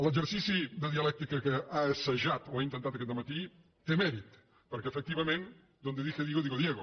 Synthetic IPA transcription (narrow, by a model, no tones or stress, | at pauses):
lˠəd͡ʒəɾsisid̪əðiɐlɛk̚t̪ikɐkəaesəʒat̪oaint̪ənt̪at̪̚keðəmat̪i | t̪ːemɛɾit̪ | pəɾkɛefək̚t̪iβɐmẽn | d̪ond̪eðixeðiɣoðiɣoðjeɣo